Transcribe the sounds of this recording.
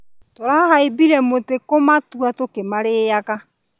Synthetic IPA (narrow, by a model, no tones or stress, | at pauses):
toɾahahaebiɾɛmotekomatuatokemaɾeːjaɣa